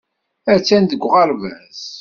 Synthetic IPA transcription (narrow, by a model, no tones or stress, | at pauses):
æɾt͡sːænd̪əɡʷʁɑɾvæ̰z